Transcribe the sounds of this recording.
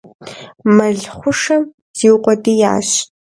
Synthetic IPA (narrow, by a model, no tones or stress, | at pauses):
mɐɮχʷʊʂɐm | z̥iːwqʷɔdija̰ːɕ